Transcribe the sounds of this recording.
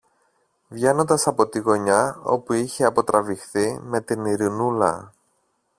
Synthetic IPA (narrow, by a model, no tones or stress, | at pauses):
vʝe̞no̞nd̪ɐsɐpo̞t̪iɣo̞ɲɐo̞̰puiçeɐpo̞t̪ɾɐvixθime̞t̪iniɾinulɐ̰